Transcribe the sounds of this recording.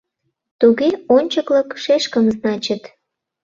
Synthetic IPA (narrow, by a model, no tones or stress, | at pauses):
t̪uɣeonʲt͡ɕəkləkʃeʃkəmznɑt͡ɕət̪